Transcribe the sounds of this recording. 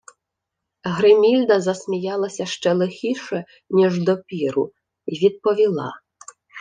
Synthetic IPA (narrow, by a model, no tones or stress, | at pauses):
ɣɾɪmʲilʲd̪ɐzɐsʲmʲijɑlˠɐsʲɐʃt͡ʃɛlˠɪxʲiʂɛ | nʲiʐd̪ɔpʲiɾʊ̰ | iʋʲid̪̚pɔʋʲilˠɑ̰